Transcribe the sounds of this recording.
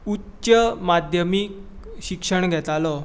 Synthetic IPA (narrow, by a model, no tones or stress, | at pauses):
utːɕəmad̪ʱjəmik̚ɕikʂəɳɡʱɛt̪alɔ